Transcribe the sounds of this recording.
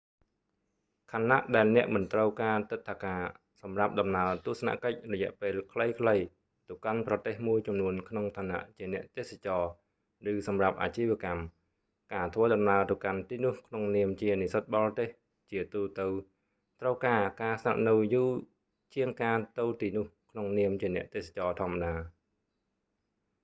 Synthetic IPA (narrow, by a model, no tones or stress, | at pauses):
kʰanːa̰ʔɗaɛlnɛ̆əʔmɨnt̪rəwkaːt̪ɨt̪ʰːakaː | sɑmrap̚ɗɑmnaət̪ŭəhsana̰ʔkəc̚rɔjɛ̆əʔpeːlkʰləjkʰləj | t̪owkanprɑt̪eːhmuəjt͡ɕumnuənkʰnoŋt̪ʰaːna̰ʔt͡ɕiənɛ̆əʔt̪eːsat͡ɕɑː | rɨːsɑmrap̚ʔa̰ːt͡ɕiːʋĭəkam | kaːt̪ʰʋəːɗɑmnaət̪owkant̪iːnʊ̆əhkʰnoŋniəmt͡ɕiənisət̪̚ɓɑlt̪eːh | t͡ɕiət̪uːt̪ɨw | t̪rəwkaːkaːsna̰ʔ̚nɨwjuː | t͡ɕiəŋkaːt̪ɨwt̪iːnʊ̆əhkʰnoŋniəmt͡ɕiənɛ̆əʔt̪eːsḁt͡ɕɑːt̪ʰŏəmaɗaː